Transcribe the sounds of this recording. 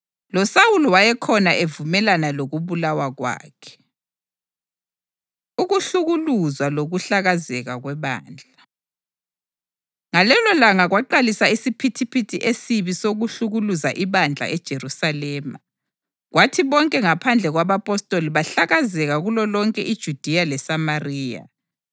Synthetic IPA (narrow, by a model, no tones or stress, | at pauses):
lɔsawulɔwajɛkʰɔnaʔevumɛlanaloɣuβulawaɣwa̰ːkʰɛ̥ | uɣuɬuɣuluzwaloɣuɬaɣazɛɣaɣwɛβa̰ːnd͡ɮʱa | ŋalɛlɔlaŋaɣwaǃalisaisipʰitʰipʰitʰiʔesiβisoɣuɬuɣuluzaʔiβand͡ɮʱa̰ʔɛd̥ʒ̥ʱerusalɛːma̰ | ɣwʔatʰiβɔŋkʼɛŋapʰand͡ɮʱɛɣwaβapʼɔstʼoliβaɬaɣazɛɣaɣulɔlɔŋkʼɛ̰ʔid̥ʒ̥ʱud̥ʱijalɛsamariːja̰